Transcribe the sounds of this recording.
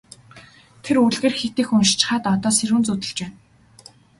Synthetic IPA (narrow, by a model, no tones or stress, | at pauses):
t̪ʰeruɮɣeːrxet̪eːxʊnʃt͡ɕɪ̥̆χaːt̪ɔt̪ɔːserxɘ̆nt͡sut̪ɘ̆ɮt͡ɕpæːn